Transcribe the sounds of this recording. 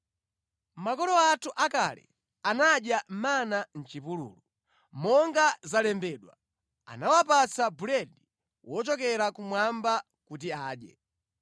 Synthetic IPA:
makɔlɔatʰuʔaka̰lɛ̰ | anaɗjam̩manan̩t͡ʃipulṵːlu | mɔŋɡazalɛmbɛːɗwa | a̰nawapat͡sabulɛdi | wʔɔt͡ʃɔkɛɾakumwamba | kut̬iaːɗjɛ̰

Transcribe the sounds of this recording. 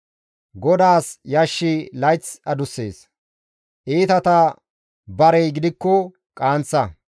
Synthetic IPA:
ɡɔd̪aːsjɐʃːɪlɐjt͡sɐd̪ʊsːe̞̰ːs | ʔiːt̪ɐt̪ɐ | bɐɾɛjɡɪd̪ɪkːɔ | kʼaːnt͡sːɐ

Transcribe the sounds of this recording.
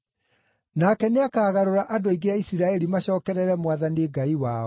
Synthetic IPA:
nakɛneakaːɣaɾoɾaʔadoiɡeaisiɾaɛɾimaɕɔːkɛɾɛɾɛmwaðaneːɡaiwaːɔ

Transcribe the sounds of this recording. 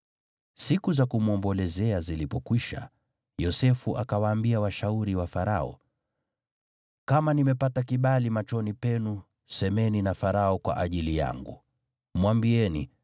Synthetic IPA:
sikuzakumuɔmbɔlɛzɛazilipɔkwiʃa̰ | jɔsɛfuʔakawaːmbiawaʃauɾiwafaɾaɔ̰ | kamanimɛpatakiɓalimat͡ʃɔnipɛnu | sɛmɛninafaɾaɔkwa̰ʔaʄilija̰ŋɡṵ | mwambiɛnḭ

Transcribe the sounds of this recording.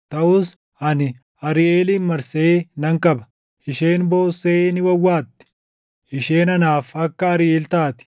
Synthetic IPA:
t̪ɐʔʊs | ʔɐnɪ | ʔɐɾɪʔeːliːnmɐɾsɛeːnɐŋkɐbɐ̥ | ʔɪʃeːnbo̞ːsːeːnɪwɐwːaːt̪ːɛ̥ | ʔɪʃeːnɐnaːfɐkːɐɐɾɪelt̪aːt̪ɪ̥

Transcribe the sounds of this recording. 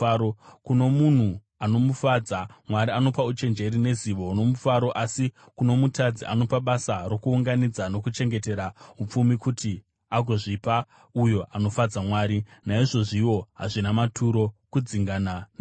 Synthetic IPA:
okuno̞mun̤u | ano̞mufad͡zamwaɾiano̞paut͡ʃe̞nd͡ʒe̞ɾine̞ziʋo̞no̞mufaɾo̞ʔasi | kuno̞mutʰad͡ziʔa̰no̞paɓasaro̞kuːŋɡanid͡zano̞kut͡ʃe̞ŋɡe̞te̞ɾaup͡fumikuti | aɡʱo̞ʐipa | ujo̞ʔano̞fad͡zamwaːɾinaiʐo̞ʐiwo̞ɦaʐinamatʰuɾo̞kud͡ziŋɡanana

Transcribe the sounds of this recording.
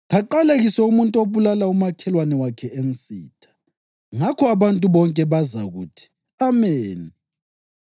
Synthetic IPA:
ɣaǃaleɣisɛumuntʼoβulalaumakʰɛlwanɛwakʰɛʔent͡sʼḭːtʰḁ | ŋakʰɔaβantʼuβɔŋkʼɛβaza̰ɣuːtʰi̥ | ameːni

